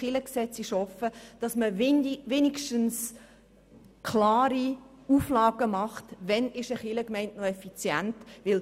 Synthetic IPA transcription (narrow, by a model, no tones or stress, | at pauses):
χɪləksɛt͡sɪʃhɔfəd̥ɑsməʋeːnikʃtəns | kʰlɑːɾi | uːflɑːɡ̥əmɑχtʋɛnɪʃəχɪləkmɛɪntnoɛfit͡sjæntʋɪl